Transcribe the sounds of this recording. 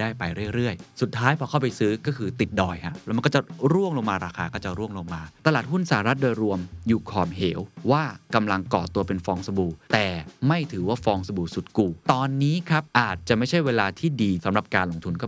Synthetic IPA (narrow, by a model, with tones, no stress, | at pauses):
daː˥˩jpa˧jɾɯ˥˩əjɾɯ˥˩əjsu˨˩t̪ʰːaː˦˥jpʰɔː˧kʰa˥˩wpa˧jsɯː˦˥kɔː˥˩kʰɯː˧t̪i˨˩t̪̚dɔː˨˩jkʰa̰˧˩lɛ˦˥ma˧kɔ˥˩t͡ɕa˨˩ɾu˥˩əŋloː˧ŋmaː˧ɾaː˧xʰaː˧kɔː˥˩t͡ɕa˨˩ɾu˥˩əŋlo˧ŋmaː˧t̪a˧laː˨˩t̪̚ɦu˥˩nsaː˨˩a˦˧ɾa˦˥t̪̚doː˧jɾu˧əmjuː˨˩kʰɔː˨˩mɦeː˩˦wwaː˥˩ka˧mla˧ŋkɔ̰ː˨˩t̪u˧ɐpe˧nfɔː˧ŋsa˧buː˧t̪ɛː˨˩ma˥˩jt̪ʰɯː˩˦waː˥˩fɔː˧ŋsa˧buː˧su˨˩t̪̚kuː˨˩t̪ɔː˧nːiː˦˥kʰɾa˦˥p̚ʔaː˨˩t̪̚t͡ɕa˨˩ma˥˩jt͡ɕʰa˥˩jweː˧laː˧t̪ʰiː˥˩diː˧sa˩˦mɾa˨˩p̚kaː˧nlo˧ŋt̪ʰu˧nkɔː˥˩